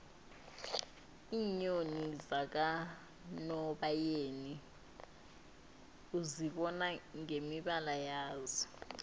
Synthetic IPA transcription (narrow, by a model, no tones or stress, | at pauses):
iːɲonizak̬a | nɔɓajeːni | uziɓɔnaŋemiɓalajaːzɔ̥